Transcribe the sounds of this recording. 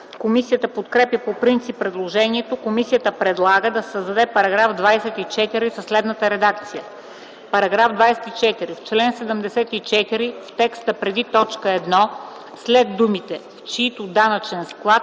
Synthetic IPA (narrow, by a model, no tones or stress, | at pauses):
komisijət̪əpot̪kɾɛpjəpopɾint̪sipːɾɛd̪lˠoʒɛniɛt̪okomisijət̪əpɾɛd̪lˠaɡəd̪ɐssəzd̪ɐd̪ɛpɐɾɐɡɾavd̪vajsɛt̪it͡ʃɛt̪iɾisəslɛd̪nət̪əɾɛd̪akt̪sijə | pɐɾɐɡɾavd̪vajsɛt̪it͡ʃɛt̪iɾift͡ʃlɛnsɛd̪əmd̪ɛsɛt̪it͡ʃɛt̪iɾift̪ɛkst̪əpɾɛd̪it̪ɔt͡ʃkəɛd̪nɔ | slɛd̪d̪umit̪ɛft͡ʃɛit̪od̪anət͡ʃɛnsklˠat̪